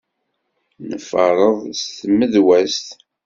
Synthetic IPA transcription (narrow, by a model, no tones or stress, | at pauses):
nəfəɾˤəðˤst̪məðwæst̪